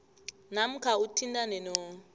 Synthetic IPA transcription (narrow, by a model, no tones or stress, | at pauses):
nam̩kʰautʰindanɛnɔ